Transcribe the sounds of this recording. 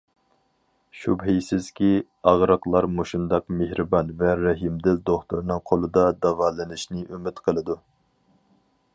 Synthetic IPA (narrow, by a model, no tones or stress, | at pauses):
ʃubɦijsɪz̥kʲi | ɑʁɾɑqlˠɑɾmoʃund̪ɑqmehɾɨbɑnvɛɾɛɦimd̪ɪld̪oχt̪uɾnɨŋqʰolˠɨd̪ɑd̪ɑvɑːlɨnɪʃnɪʔymɪt̪qʰəlˠɨd̪u